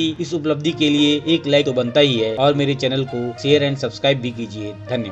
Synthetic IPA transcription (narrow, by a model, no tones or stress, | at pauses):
iɪsʊpləb̚d̪ʱikelieeːklaːɪkt̪obɐ̃nt̪aɦiɦɛːɔːɾmeːɾet͡ʃɛːnəlkoʃeːəɾɛ̃ːɳɖsɐbskɾaːɪbʱikiːd͡ʒied̪ʱɐnjə